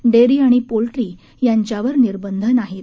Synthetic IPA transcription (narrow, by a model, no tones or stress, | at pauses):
ɖeɾiːaɽ̃ipolʈɾiː | jaɲt͡ɕjaʋəɾniɾbənd̪ʱənaɦet̪